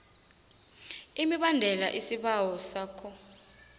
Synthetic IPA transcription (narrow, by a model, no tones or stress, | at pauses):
imiɓandʱɛlaʔisiɓawɔsaːkʰɔ